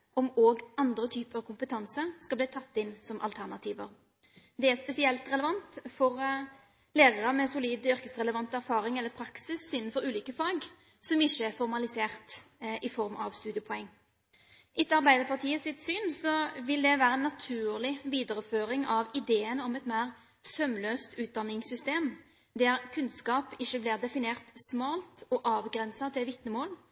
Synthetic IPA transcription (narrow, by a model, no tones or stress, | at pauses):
ɔmoːɡɑnd̪ɾət̪ʰyːpəɾɑʋkʰʊmpət̪ʰɑnsəskɑlbliːt̪ʰɑt̪ːɪnːsɔmʔɑlt̪ʰæʁnɑt̪ʰiːʋə̰ɾ | d̪ɛæʁspɛsɪɛlt̪ɾɛləʋɑnt̪fɔɾ | leːʁɑɾəmɛsʊliːd̪ʏɾkəsʁɛləʋɑnt̪æɾfɑːɾɪŋɛlːəpʰɾɑksɪsɪnːnfɔɾʉːliːkəfɑːɡ | sɔmɪçːəæfɔɾmɑlɪseːʁt̪ʔɪfɔɾmɑʋst̪ʉːd̪ɪəpʰɔɛŋː | ʔɪt̪əɑɾbæɪd̪əɾpʰɑʁt̪ʰiːəsɪt̪syːnsɔʋɪld̪ɛʋæːɾəɛnːɑt̪ʰʉːʁlɪʋiːd̪əɾəføːɾɪŋɑʋɪd̪eːənəɔmɛt̪mæɪʁ | sœmløːst̪ʰʉːt̪̚d̪ɑnːɪŋsʏst̪eːm | d̪æɾkʰʉnskɑːpɪʃːəblɪːʁd̪ɛfɪneːʁt̪smɑːlt̪ɔʔɑːʋɡɾɛnsɑt̪ʰɪʋɪt̪nəmoːl